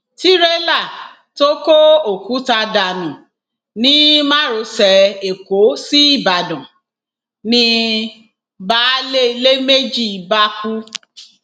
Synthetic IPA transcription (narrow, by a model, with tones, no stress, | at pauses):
ti˦ɾɛ˦la˦˨ | to˦ko˦o˨ku˨˦ta˧da˨mĩ˨ | nĩ˦mã˦˨ɾo˧sɛ˨e˨ko˨˦si˦i˦˨ba˨dɔ̃˨ | nĩ˦ | ba˦le˦i˧le˦me˦d͡ʒi˦˨ba˦ku˦